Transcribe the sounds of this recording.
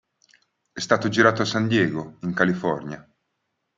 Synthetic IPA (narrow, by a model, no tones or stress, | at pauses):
ɛst̪aːt̪od͡ʒiɾaːt̪oasːand̪jɛːɡoiŋkalifɔrnja